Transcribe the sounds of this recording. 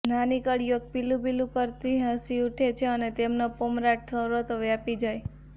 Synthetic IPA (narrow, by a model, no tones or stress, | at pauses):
nanikəɽjoɡ̚pilũbilũpəɾt̪iɦəsiuʈʰet͡ʃʰeənet̪emnapomɾaʈ̚sʰəɾot̪oʋjapid͡ʒaj